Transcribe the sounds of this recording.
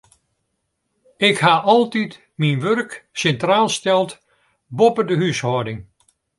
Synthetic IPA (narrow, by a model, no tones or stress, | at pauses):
ɪkhaːʔɑlˠtit | minʋørksɛntraːlˠstɛlˠt | bɔpədəɦyshɔːdɪŋ